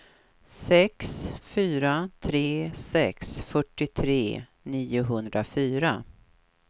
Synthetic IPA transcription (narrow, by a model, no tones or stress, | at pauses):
sɛksfyːɾat̪ʰɾeːsɛksfœʈːɪt̪ʰɾeː | niːʊɦɵnd̪ɾafyːɾa